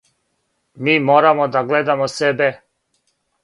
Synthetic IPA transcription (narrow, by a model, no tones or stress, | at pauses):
miːmoːɾamod̪aɡled̪amosebe